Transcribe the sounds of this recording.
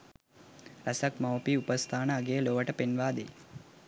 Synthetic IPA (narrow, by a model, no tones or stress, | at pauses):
ɾɐsɐkmɐwpiupəst̪ʰaːnəːɡejəloːʋəʈəpenʋaːd̪ḛ